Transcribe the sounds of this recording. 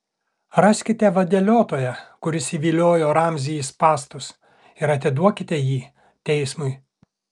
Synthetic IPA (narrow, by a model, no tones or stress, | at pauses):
ɾɑsʲkʲɪt̪ʲɛʋɐd̪ʲɛlʲoːt̪oːjɛkʊɾʲɪsiːʋʲiːlʲoːjoːɾɑmʲzʲijispɑːst̪ʊs | ɪɾɐt̪ʲɪd̪uɔkʲɪt̪ʲɛjiː | t̪ʲɛɪsmʊɪ